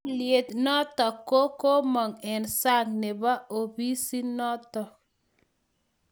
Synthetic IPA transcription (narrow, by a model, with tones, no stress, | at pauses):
lɪe˨t̪nɔ˦tɔ˨ko˦ko˦mɔ˨ŋɛ˨nsa˦ŋnɛ˨ba˦o˨bi˦si˦nɔ˦tɔ˨